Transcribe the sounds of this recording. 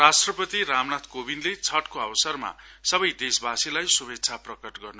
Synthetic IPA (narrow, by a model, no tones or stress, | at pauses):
rasʈrʌpʌt̪iramnat̪ʰkobinlet͡sʰʌʈkoʌwsʌrma̰ | sʌbʌjd̪esbasilajsubekt͡sʰaprʌkʌʈɡʌrnu